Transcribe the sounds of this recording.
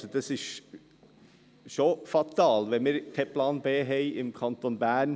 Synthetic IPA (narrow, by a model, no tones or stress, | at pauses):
sod̥ɑsɪʃ | ʃofɑt̪ɑːlʋɛmɪːɾkʰɛpʰlɑːnbeːɦɛɪɪmkʰɑnt̪onbæːn